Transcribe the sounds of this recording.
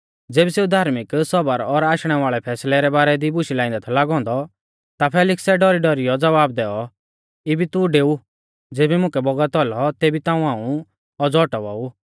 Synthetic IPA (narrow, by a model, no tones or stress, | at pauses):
d͡zeːbiseːud̪ʱaːɾmɪksɔbəɾɔɾaːʃɽ̃ɛʋaːɭɛpʰɛːslɛɾɛbaːɾɛd̪ibʊʃilaːɪ̃nd̪t̪ʰɛlaːɡɔ̃ːnd̪ɔ | t̪apʰɛːlɪksɛɖɔɾiɖɔɾɪjɔd͡zɐʋaːbd̪ɛːɔ | ɪbit̪uɖeːu | d͡zeːbimʊ̃kɛbɔɡət̪ɔlɔt̪ebit̪ãːũãːũ | ɔd͡zɔːʈɔʋɔ̰ːu